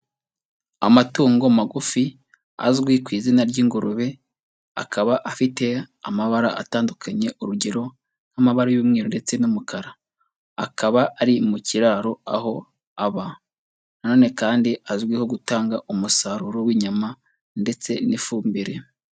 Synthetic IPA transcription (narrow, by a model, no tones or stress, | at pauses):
a̰matuːŋɡomaɡufi | a̰zɡwikwiːzinaɾɟiːŋɡuɾuβe̞ | a̰kaβaʔafite̞amaβaɾaʔa̰taːndukʰaɲe̞ʔuɾuɟe̞ɾo̞ | nhamaβaɾajuːmŋiːɾonde̞t͡se̞numukʰaɾaː | kaβaʔaɾimuciɾaːɾo̞a̰ɦo̞ | aβa | nano̞ːne̞kaːndiazɡwiːho̞ɡutaːŋɡaʔumusaɾuɾowiːɲama | nde̞t͡se̞nifuːmbiɾe̞